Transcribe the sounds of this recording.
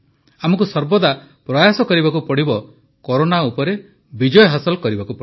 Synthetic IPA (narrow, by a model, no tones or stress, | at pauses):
amɔkusɔɾbɔd̪a | pɾɔjasɔkɔɾibakupɔɽibɔ | kɔɾonaupɔɾe | bid͡ʒɔjɔɦasɔlkɔɾibakupɔ